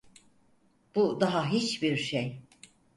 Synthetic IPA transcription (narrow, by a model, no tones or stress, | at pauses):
b̥ud̪aɦaɦit͡ʃbiɾʃej